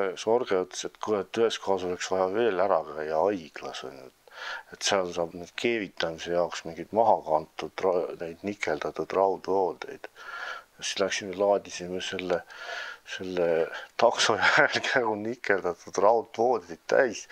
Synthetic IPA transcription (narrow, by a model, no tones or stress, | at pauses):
so̞rɡ̥eot̪ːset̪ːkuet̪ːyhe̞skʰo̞hɑso̞leksvɑjɑve̞ːlæɾɑkæjɑɑjɡ̥lɑso̰lʲːuet̪ːet̪seɑlsɑːb̥ned̪̥kʰe̞ːvit̪ːˑɑmise̞jɑoksmiŋɡ̥id̪̥mɑɦɑɡ̥ɑɑnt̪ːˑud̪̥rɑne̞jd̪̥nikːˑe̞ld̪̥ɑt̪ːud̪̥rɑud̪vo̞ːd̪e̞̰jd̪̥jɑsi̥slæksimelɑːd̪̥ʲisemese̞lːese̞lːet̪ɑkso̞jæɾelkʰæjɡunikːˑe̞ld̪̥ɑt̪ːˑud̪̥rɑwd̪vo̞ːd̪̥ejd̪̥t̪æ̰js